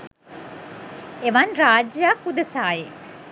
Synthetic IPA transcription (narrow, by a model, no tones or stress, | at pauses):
eʋanɾaːd͡ʒjaːkud̪ɐsaːje